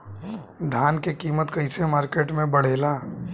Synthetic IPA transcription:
d̪ʱaːnkekiːmət̪kəɪsemaːɾkeːʈmẽbəɽ̤eːlaː

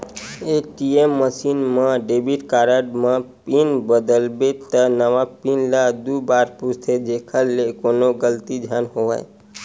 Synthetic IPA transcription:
eʈiemːəsinmə̃ɖebiʈkaɾəɖmə̃ppinbəd̪əlbet̪ənəʋapinlad̪ubaɾpust̪ʰed͡ʒekʰəlːekonoɡəlt̪id͡ʒʱjanɦoʋə̰j

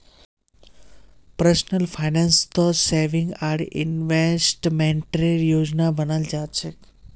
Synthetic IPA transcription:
pɾəsnəlfʰajnanst̪ɔseɾʋĩŋɡaɽɪ̰nʋesʈmẽɳʈɾeɾjod͡ʒnabənəld͡ʒat͡ʃʰek

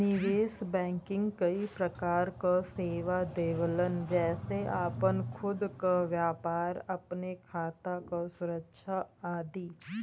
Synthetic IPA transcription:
nɪʋeːsbɛ̃ːŋkɪ̃ŋɡkɐipɾəkaːɾkaseːʋad̪eːʋələnd͡ʒɛːseʔaːpənkʰʊd̪kaʋjaːpaːɾɐpnekʰaːt̪akasʊɾəkʃaaːd̪iː

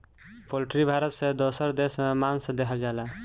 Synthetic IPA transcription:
polʈɾibʱaːɾət̪sed̪osəɾd̪esmemansẽd̪eɦʰəld͡ʒala

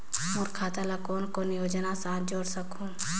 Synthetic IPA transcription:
mʊɾkʰaːt̪alakoːnkonɪjoːd͡ʒnasãːt̪d͡ʒoːɽsəkʰũː

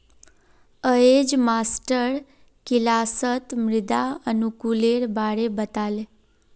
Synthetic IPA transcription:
əed͡ʒmasʈəɾ | kilasət̪mɾɪd̪aənukuleɾbaɽebət̪ale

